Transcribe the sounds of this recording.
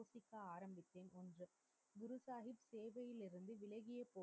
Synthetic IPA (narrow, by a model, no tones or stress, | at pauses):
oːsɪkːaaːɾɐmbɪt̪ːeːnɔndrɯ | ɡʊɾʊsaːɣɪpseːʋɐjɪlɪɾɯnd̪ɯʋɪɭɐɣɪjɐpːoː